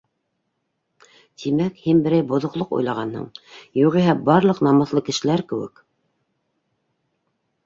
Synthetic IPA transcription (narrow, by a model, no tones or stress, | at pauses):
t̪ʰimækhinbɘ̆ɾæjbŏðŏqlˠoqṵjlˠɑʁɑnhɤ̰ɴjuʁiɦæbɑɾlˠɤqnɑmɤ̆θlˠɤkɘ̆ʃɘ̆læɾkɘ̆wɘ̰k